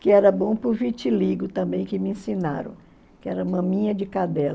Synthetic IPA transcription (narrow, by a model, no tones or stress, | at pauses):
kɪɛɾɐbõw̃pɾʊvit͡ʃiliɡʊt̪ɐ̃bẽj̃kɪmɪẽsĩna̰ɾɐ̰̃w̃ | kɪɛɾɐũmɐ̃mĩɲɐd͡ʒɪkad̪ɛl